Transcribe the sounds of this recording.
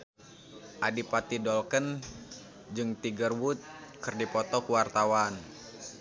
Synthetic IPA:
ʔadipat̪idɔlkən | d͡ʒɨŋt̪iɡərwut̪̚kɨrdipɔt̪ɔkuwart̪awan

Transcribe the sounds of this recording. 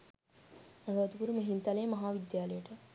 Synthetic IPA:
ɐɡaad̪ukuɾumeɦint̪ɐlejmɐɦaːʋid̪jaːləjəʈə

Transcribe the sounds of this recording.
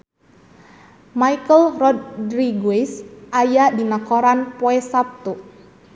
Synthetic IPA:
maikəlrɔd̪dɾiɡuisʔajadinakoɾanpoɛsap̚t̪uʔ

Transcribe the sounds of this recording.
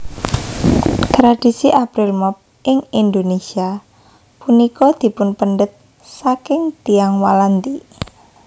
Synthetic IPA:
t̪ɾad̥i̤siʔapɾɪlmɔp̚ | ɪŋind̪onesia | punikɔd̪̥i̤pʊnpənɖət̪̚ | sakɪŋt̪iaŋwalant̪i

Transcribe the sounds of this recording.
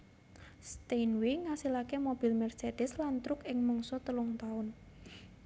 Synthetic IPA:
st̪enwiŋasilakemob̥i̤lmɛrsed̪̥ɪslant̪ɾʊkɪŋmɔŋsɔt̪əlɔŋt̪aʊn

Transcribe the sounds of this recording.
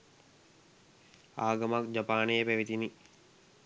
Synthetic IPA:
aːɡəmakd͡ʒapaːnejəpæʋit̪ini

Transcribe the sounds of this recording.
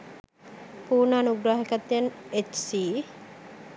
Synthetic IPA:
puːɾnaːnuɡɾaːɦekat̪ːijanet͡ʃsiː

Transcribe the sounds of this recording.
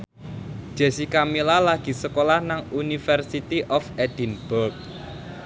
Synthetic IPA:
d̥ʒ̥ɛ̤sikamilalaɡ̥i̤səkolahnaŋunifɛrsit̪iʔɔfɛd̪̥i̤nb̥ɔrk̚

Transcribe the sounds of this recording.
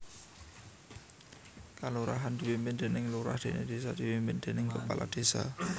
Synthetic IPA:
kaluɾaɦand̪i̤wimpɪnd̪e̤nɪŋluɾa̰hd̪̥e̤ned̪̥esad̪̥i̤wimpɪnd̪̥enɪŋkəpalʔa̰d̪̥e̤sa̰

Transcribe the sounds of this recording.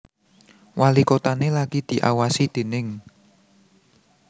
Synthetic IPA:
walikot̪anelaɡ̥id̪̥i̤ʔawasid̪̥e̤nɪŋ

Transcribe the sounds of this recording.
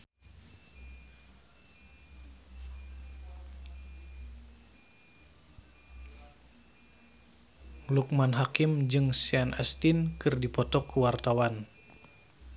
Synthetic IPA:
luk̚manɦakimd͡ʒɨŋsianʔɛst̪inkɨrdipɔt̪ɔkːuwart̪awan

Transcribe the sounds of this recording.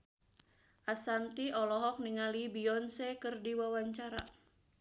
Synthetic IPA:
ʔasant̪iɔlɔɦɔk̚niŋalibiɔnsekɨrdiwawaɲt͡ʃaɾa̰

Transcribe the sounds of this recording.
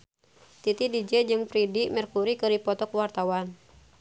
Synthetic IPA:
t̪it̪idid͡ʒɛd͡ʒɨŋpɾidimɛrkuɾikɨɾipɔt̪ɔkwart̪awan

